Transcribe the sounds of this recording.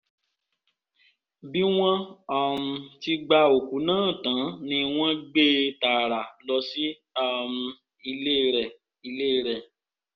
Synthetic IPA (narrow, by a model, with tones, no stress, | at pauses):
bi˦w̃ɔ̃˦a˨m̩˨ti˧ɡ͡ba˧o˨ku˨˦nãː˦˨tã˨˦nĩ˧˦w̃ɔ̃˦ɡ͡be˦ta˨ɾa˨lɔ˧si˦ | a˧˨m̩˨ | i˧le˦ɾɛ˨ | i˧le˦ɾɛ˨